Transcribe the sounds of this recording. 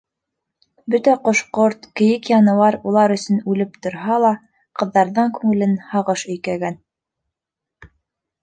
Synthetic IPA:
bɵt̪æqŏʃqoɾt̪kɘ̆jɘkjɑnɤ̆wɑɾulˠɑɾɵ̆sɵnʉlɘp̚t̪ŏɾɦɑlˠɑ | qɤ̆ðːɑɾðɤɴkʉŋɘ̆lɘnhɑʁɤʃɵ̆jkæɡæn

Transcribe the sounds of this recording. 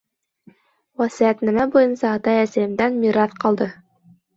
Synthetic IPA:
wæsiæt̪næmæbujɤnsɑːt̪ɑæsæjɘ̆md̪ænmiɾɑθqɑlˠd̪ɤ

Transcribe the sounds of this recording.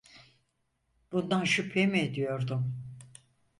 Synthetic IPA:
b̥und̪anʃypʰemied̪ijo̞ɾd̪um

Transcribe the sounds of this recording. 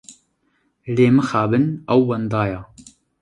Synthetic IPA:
leːmɨxaːbɨnɐwːɐnd̪ɑːjɑː

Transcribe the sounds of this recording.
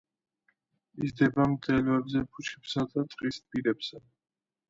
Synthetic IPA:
izd̪ɛbamt̪ʼɛlɔɛbzɛpʰut͡ʃʰɛ̥psad̪at̪ʼqʼispʼiɾɛbsa

